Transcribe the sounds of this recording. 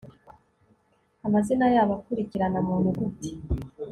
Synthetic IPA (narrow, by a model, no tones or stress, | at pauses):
amazinajaːβakuɾiciɾanamuːnuɡuti̥